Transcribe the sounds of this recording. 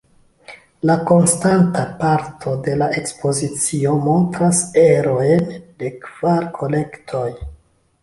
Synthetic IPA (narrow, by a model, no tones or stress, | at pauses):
lako̞nstantapaɾtʰo̞de̞laʔe̞kspo̞zit͡sio̞mo̞ntɾase̞ɾo̞ende̞kv̥aɾkʰo̞le̞ktʰo̞j